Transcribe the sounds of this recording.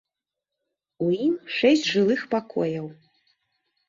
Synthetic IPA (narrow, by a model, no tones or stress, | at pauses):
uimʂɛsʲt͡sʲʐɨlˠɨxpakɔjɐw